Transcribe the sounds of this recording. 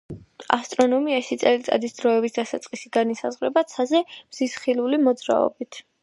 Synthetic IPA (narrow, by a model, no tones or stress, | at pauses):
a̰st̪ʼɾɔnɔmiaʃit̪sʼɛlit̪sʼa̰d̪isd̪ɾɔɛbisd̪asat̪sʼqʼisiɡanisa̰zʁɾɛbat̪sʰazɛmz̥isχilulimɔd̪zɾa̰ɔ̰bit̪ʰ